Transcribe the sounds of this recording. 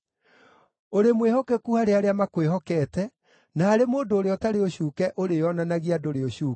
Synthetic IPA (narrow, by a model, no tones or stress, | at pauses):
oɾemwehɔkɛkuhaɾeaɾeamakweɦɔkɛːtɛ | naːɾemoːndoːɾeɔtaɾeoɕuːkɛʔoɾejɔnanaɣiadoɾeoɕuː